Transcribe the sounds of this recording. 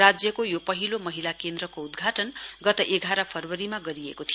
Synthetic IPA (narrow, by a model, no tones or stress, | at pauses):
ad͡zjʌkojopʌɦilomʌɦilakend̪rʌkoud̪ɡʱaʈʌnɡʌt̪ʌʔeɡʱaɾʌpʰʌrwʌɾimaɡʌɾiḛkot̪ʰi